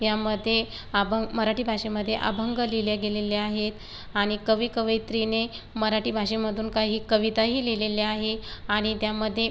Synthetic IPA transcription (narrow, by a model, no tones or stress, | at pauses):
jaməd̪ʱːje | abəməɾaʈiːbʱaʂeməd̪ʱːjeʔa̰bʱəŋɡəliljaɡeleleaɦet̪ | aɽ̃ikəʋiːkəʋəjt̪ɾine | məɾaʈiːbʱaʂeməd̪ʱuːnkaɦiːkəʋit̪aɦiːleleleaɦeaɽ̃it̪jaməd̪ʱːje